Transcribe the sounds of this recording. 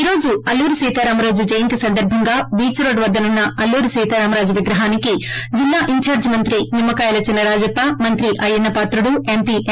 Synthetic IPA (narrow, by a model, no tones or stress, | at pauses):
iːɾo̞ːd͡ʒuɐlːuːɾusiːt̪aːɾaːmɐɾaːd͡ʒud͡ʒɐjɐnt̪isɐnd̪ɐɾbʱɐŋɡaːbiːt͡ʃɾoːɖʋɐd̪ːɐnunːɐɐlːuːɾusiːt̪aːɾaːmɐɾaːd͡ʒuʋiɡɾɐɦaːnikid͡ʒilːaːʔiɲt͡ʃaːɾd͡ʒmɐnt̪ɾimimːɐkaːjɐlɐt͡ʃinːɐɾaːd͡ʒɐpːɐmɐnt̪ɾiʔɐjɐnːɐpaːt̪ɾuɽuempiʔ